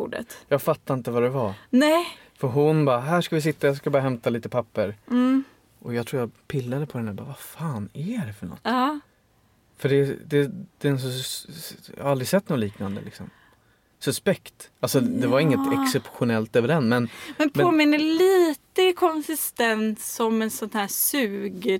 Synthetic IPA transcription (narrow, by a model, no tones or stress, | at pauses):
ɖə̰t̪jɑːɡfat̪ːaɪnt̪əvaɾɛvanɛ | fœɾɦʊnbɑːɦæːʂkavɪs̬ɪt̪ːajɑːs̬kabɑːɾaɦɛmt̪aliːt̪əpʰapːəɾ | ʔɔjɑɡt̪ʰɾuːjapʰɪlːad̪əpʰɔd̪ɛnd̪æɾbɑ̰ːvafaːnæɖɛfœɳɔ̰t̪ː | fœɖɛd̪ɛd̪̥ɛns | ja̰haald̪ɾɪsɛt̪ːnoːliːknand̪ə̰lɪksɔm | sɵspɛkt̪alsɔd̪ɛvaɾɪŋːət̪ʰɛkssɛpɧʊnɛlt̪øːvəɖɛnːmɛnmɛnpʰoːmɪnːəliːt̪əkʰɔnsɪst̪ɛnt̪sɔmɛnsɔnt̪æːsʉːɡ